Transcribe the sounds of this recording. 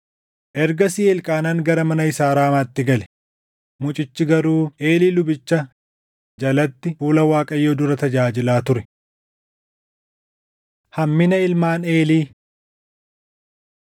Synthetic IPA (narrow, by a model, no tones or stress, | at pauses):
ʔɛɾɡɐsɪːɛlkʼaːnaːŋɡɐɾɐmɐnɐɪsaːɾaːmaːt̪ːɪɡɐlɛ̥ | mʊt͡ʃʼɪt͡ʃːɪɡɐɾuːʔeːliːlʊbɪt͡ʃːɐ | d͡ʒɐlɐt̪ːɪfuːlɐwaːkʼɐjːoːd̪ʊɾɐt̪ɐd͡ʒaːd͡ʒɪlaːt̪ʊɾɛ̥ | hɐmːɪnɐɪlmaːne̞ːliː